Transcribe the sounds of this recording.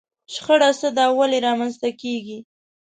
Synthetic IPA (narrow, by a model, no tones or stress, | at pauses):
ʃxəɽasəd̪ɑwaleɾɑmanst̪akeɡi